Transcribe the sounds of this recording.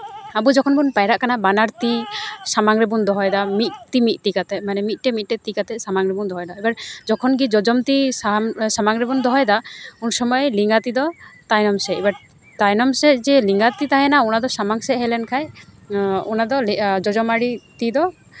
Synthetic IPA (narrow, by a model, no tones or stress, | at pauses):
abud͡ʒɔkʰɔnbunpajɾaʔkanabanaɾt̪isamaŋɾɛbund̪ɔɦɔjd̪amit̪̚t̪imit̪̚ˀt̪ikat̪ɛmanɛmit̪̚ˀʈɛmit̪̚ʈɛt̪ikat̪ɛsamaŋɾɛbund̪ɔɦɔjd̪aɛbaɾd͡ʒɔkʰɔnɡid͡ʒɔd͡ʒɔmt̪isasamaŋɾɛbund̪ɔɦɔjd̪aunsɔmɔjliŋɡat̪id̪ɔt̪ajnɔmsɛibaɾ | t̪ajnɔmsɛd͡ʒɛliŋɡat̪it̪aɦɛnaunad̪ɔsamaŋsɛʔɦɛlɛnkʰaj | unad̪ɔld͡ʒɔd͡ʒɔmaɽit̪id̪ɔ